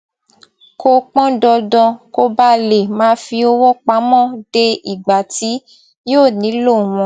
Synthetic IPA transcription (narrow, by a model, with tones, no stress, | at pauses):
ko˧k͡pɔ̃˦dɔ˧dɔ̃˧ko˧ba˧le˨mãː˨˦fi˧o˧wɔ˦k͡pa˨˦mɔ̃˦˨d̥e˧i˨ɡ͡ba˨ti˨˦ | joː˦˨nĩ˨˦lo˦˨w̃ɔ̃˧